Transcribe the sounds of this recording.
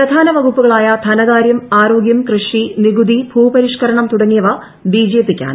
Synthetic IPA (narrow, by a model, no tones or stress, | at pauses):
pɾɐd̪ʱaːnɐʋɐɡʱupːuɣɐɭaːjɐd̪ʰʱɐnɐɣaːɾjɐmaːɾo̞ːɡjɐmkrɨʂiniɡud̪ibʱuːpɐɾiʂkɐɾɐɳɐmt̪uɽɐŋːijɐʋɐ | biːd͡ʑeːpːikʲːa̰ːnɨ